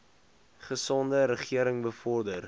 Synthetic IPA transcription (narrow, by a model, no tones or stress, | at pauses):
χəsɔndəɾəχiəɾəŋbəfɔrdər